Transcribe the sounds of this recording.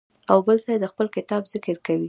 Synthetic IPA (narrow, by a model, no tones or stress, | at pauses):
awbəlsajd̪əxpəlkɪt̪ɑbzɪkəɾkawi